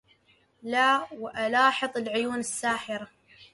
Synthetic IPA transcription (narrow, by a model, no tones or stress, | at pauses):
laːwɪʔalɑːħɨðˤɪlʕʊjuːnɪsːaːħɪɾa